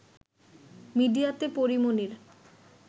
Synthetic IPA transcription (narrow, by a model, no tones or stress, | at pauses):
miɖijat̪epoɾimoniɾ